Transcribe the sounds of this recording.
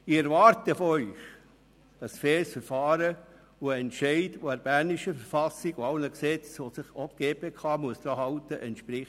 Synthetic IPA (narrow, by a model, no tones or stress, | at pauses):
ɪɛɾvɑːɾtəfɔœʏx | əsfɛːlsfɛɾfɑːɾə | uəɛntʃɛɪdoæɾb̥æniʃəfɛɾfɑsiɡʊɑlnəksɛt͡sʋosɪχɔpɡ̥eːpekʰɑːmuəsd̥ɑːɦɑltəʔɛntʃpɾɪχ